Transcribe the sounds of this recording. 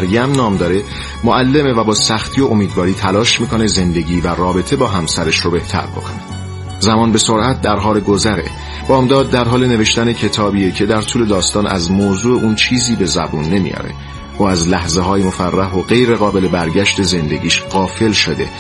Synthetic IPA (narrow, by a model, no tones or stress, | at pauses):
æɾjæmnɒːmd̪ɒːɾe̞ | moʔælːe̞mevæbɒːsæxt̪ʰiːo̞ʔomiːd̪vɒːɾiːt̪ʰælɒːʃmiːkʰone̞ze̞nd̪e̞ɟiːværɒːbe̞t̪ʰebɒːɦæmsæɾe̞ʃɾobe̞ht̪ʰæ̰ɾbo̞̰kʰone | zæmɒːnbe̞soɾæt̪̚ʰd̪æɾɦɒːɾeɡo̞zæɾe̞̰ | b̥ɒːmd̪ɒːd̪̚ːæɾɦɒːle̞ne̞ve̞ʃt̪æne̞cʰe̞t̪ʰɒːbiːecʰe̞d̪æɾt̪ʰuːle̞d̪ɒːst̪ɒːnʔæ̰zmoːzuːeʔuːnt͡ʃʰiːziːbe̞zæ̰buːnːe̞mḭjɒ̰ːɾe̞̰ | ʔoæzlæhze̞ɦɒːjemo̞færːæɦoɣe̞jɾe̞ɣɒːbe̞le̞bæɾɟæʃt̪e̞ze̞nd̪e̞̰ɟiːʃɢɒːfe̞lʃo̞d̪e̞̰